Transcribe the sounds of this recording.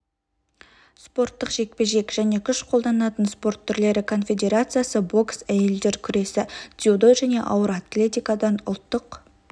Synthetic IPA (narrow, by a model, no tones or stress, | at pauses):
spo̞rt̪ːəqʒ̥e̞k̚pe̞ʒe̞kʒæne̞kʲʰʏʃqʰo̞lˠd̪ɑnɑt̪ənspo̞ɾrt̪ʰːʏɾle̞ɾɪkʰo̞nfʲe̞d̪ʲe̞ɾat̪sɨjasəbo̞ksæje̞ld̪e̞ɾkʲʰʏɾe̞sɪd̪iud̪o̞jʒæne̞̰ʔɑ̰wəɾat̪lʲe̞t̪ʲijkad̪ɑnʊ̰lˠt̪ːəq